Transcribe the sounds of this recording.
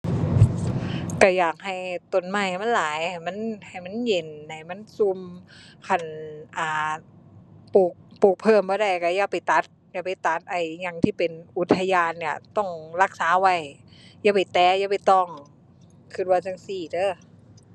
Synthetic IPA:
ka˧˩jaː˨˩k̚ha˨˩jt̪o˧˩nma˧˩jma˧˥˨nlaː˨˦jha˧˩jma˧˥˨nha˨˩jma˧˥˨nje˨˩nːa˧˩jma˧˥˨nsu˧mkʰa˧˩nʔaː˨˧˩ | puː˨˩k̚puː˨˩k̚pʰɤː˧˩mbɔː˧˦da˧˩jka˧˩jaː˧˩pa˨˩jt̪a˧˦˥t̪̚ | jaː˧˩pa˨˩jt̪a˧˦t̪̚ʔa˧˩jɲa˧˩ŋt̪ʰiː˧˥˩pe˨nʔu˧˦t̪ʰːa˧jaː˧nːi˧˩t̪ɔ˧˩ŋla˧˥˩k̚saː˨˦wa˧˩jjaː˧˩pa˨˩jt̪ɛː˧˦jaː˧˩pa˨jt̪ɔ˧˩ŋ | kʰɯ˧˩t̪̚wa˧˩t͡ɕa˧˨ŋsiː˨˩tɤː˧˥˩

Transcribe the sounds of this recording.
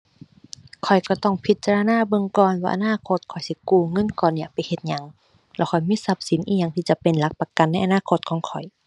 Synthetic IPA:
kʰɔ˨˩jkɔ˧˩t̪ɔ˧˥˩ŋpʰi˧˦t̪̚t͡ɕa˧la˧naː˧˨bɤ˧˨ŋkɔː˧nwaː˧ʔa̰˧˨naː˧˥˨kʰo˧˦t̪̚kʰɔ˨˩jsi˧˦kuː˧˩ŋɤ˧˥˨nkɔː˧˨nːi˧˩ɐpa˨jhe˧˦t̪̚ɲa˧˦ŋ | lɛː˧˩wkʰɔ˨˩jmiː˧˥˨sa˧˦p̚si˨˦nʔiː˧˨ɲa˧ŋt̪ʰiː˧t͡ɕa˧˦pe˨nla˧˥k̚pa˧ka˨nːa˧˥˩jʔa˧naː˧˥˨kʰo˧t̪̚kʰɔː˨˦ŋkʰɔ˨˩j

